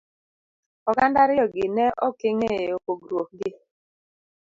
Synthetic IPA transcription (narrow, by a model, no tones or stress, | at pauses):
ɔɡandaɾɪɔɡɪnɛʔɔkeŋeokoɡɾuok̚ɡɪ